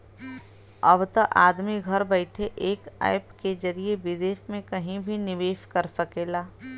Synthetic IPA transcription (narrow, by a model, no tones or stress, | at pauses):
ɐʋt̪əʔaːd̪miɡʱɐɾbɛɪʈʰeʔeːka̰ːɪpked͡ʒɐɾiebɪd̪eːʃmẽkɐɦĩbʱinɪʋeːʃkɐɾsɐkeːlaː